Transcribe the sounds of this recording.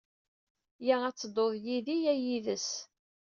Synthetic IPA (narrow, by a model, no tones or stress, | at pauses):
jæʁæt͡sːəd̪ˤoðˤjiðijæjiðəs